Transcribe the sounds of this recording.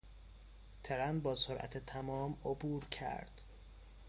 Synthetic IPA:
t̪ʰeɾænbɒːsoɾʔæ̰t̪ʰet̪ʰæmɒːmobuːɾcʰæ̰ɾd̪̥

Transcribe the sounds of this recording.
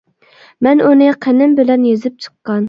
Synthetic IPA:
mɛnunɨqʰənɪmbɪlɛnjezɪp̚t͡ʃʰə̥qːɑn

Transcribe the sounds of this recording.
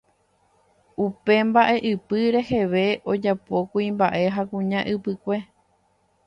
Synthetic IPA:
upe̞mbaʔe̞ʔɨpɨɾe̞he̞ʋe̞ʔo̞d͡ʒapo̞kuimbaʔe̞ɦakũɲãʔɨpɨkʷe̞

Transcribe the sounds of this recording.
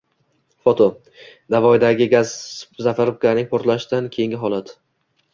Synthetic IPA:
fot̪ʰo | d̪avɒɪd̪aɡʲɪɡʲazzafaɾʊp̚kʲaɾnɪŋpʰoɾt̪laʃd̪ankʲʰe̞jɪŋɡʲɪɦɒlˠad̪

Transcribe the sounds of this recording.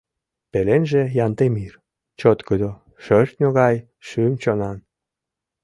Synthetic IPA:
pelenʒĕjɑnt̪emir | t͡ɕot̪kəd̪o | ʃørt̪ʲnʲoɣɑj | ʃymt͡ɕonɑn

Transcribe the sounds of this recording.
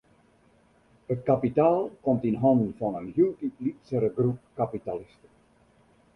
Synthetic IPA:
ətkapitaːlˠkɔmtinɦɑndnfɑnənjyltiplitsəɾəɡrup̚kapitalɪstə

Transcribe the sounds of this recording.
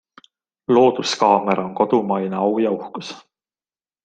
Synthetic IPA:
lo̞ːd̪̥uskɑːmeɾoŋko̞d̪̥umɑjneɑwjɑuhkus

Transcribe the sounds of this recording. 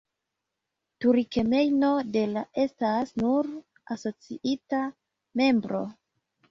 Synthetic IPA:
tuɾike̞me̞jno̞de̞laʔe̞stasnuɾ | aso̞t͡sḭʔita | me̞mbɾo̞̰

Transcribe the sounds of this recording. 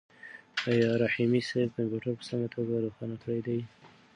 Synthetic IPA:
ɑjɑɾahimisab̚kampjuʈaɾpə̥saŋɡat̪ʰoɡaɾoxɑnakʰəɽajd̪aj

